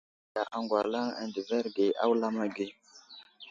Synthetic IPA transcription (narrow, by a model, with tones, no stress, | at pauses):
a˨ʔa˨ŋɡʷwa˨la˦ŋa̰˨ndi˨ve˦ɾɡe˨ʔa̰˦wla˦ma˦ɡe˦